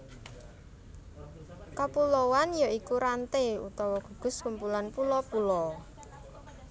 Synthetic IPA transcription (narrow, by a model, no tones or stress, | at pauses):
kapulɔwanjaikuɾant̪eṵt̪ɔwɔɡ̥ṳɡ̥ʊ̤skumpulanpulɔpulɔ